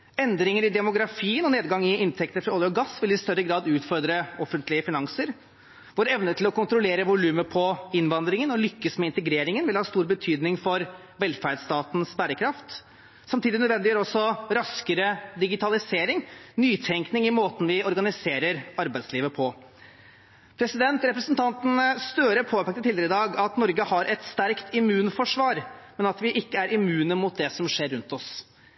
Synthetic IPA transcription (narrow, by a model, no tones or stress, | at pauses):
ɛnd̪ɾɪŋəɾɪd̪ɛmʊɡɾɑfiːənɔneːd̪ɡɑŋːɪɪnt̪ʰɛk̚t̪əfɾɑɔːlɪɔɡɑsːʋɪlɪst̪œɾːəɡɾɑːd̪ʉːt̪fɔɾd̪ɾəɔfːənt̪lɪəfɪnɑŋsəɾ | ʋoːɾɛʋnət̪ʰɪlɔkʊnt̪ɾʊleːɾəʋʊlʉːməpʰɔɪnʋɑnd̪ɾɪŋənɔlʏkːəsmɛɪnt̪əɡɾeːɾɪŋənʋɪlhɑːst̪uːɾbət̪ʰyːd̪nɪŋfɔɾ | ʋɛlfæɾɖst̪ɑːt̪n̩sbæːɾəkʰɾɑft̪ | sɑmt̪iːd̪ɪnœd̪ʋɛnd̪ɪjøːɾɔsːɔɾɑskəɾəd̪ɪɡɪt̪ʰɑlɪseːɾɪŋnyːt̪ʰɛŋknɪŋɪmoːt̪n̩ʋɪɔɾɡɑnɪseːɾəɾɑɾbæɪsliːʋəpʰɔ | pʰɾɛsɪd̪ɛnt̪ɾɛpɾəsnt̪ʰɑnt̪ənst̪øːɾəpʰoːpʰɛkt̪ət̪ʰɪld̪ɛɾɪd̪ɑːɡɑt̪nɔɾɡəhɑɾʔɛt̪st̪æɾkt̪ɪmʉːnfɔʂʋɑːɾmɛnɑt̪ʋɪʔɪkːəæɾʔɪmʉːnəmʊt̪̚d̪ɛsɔmʂeːɾːʉnt̪ɔs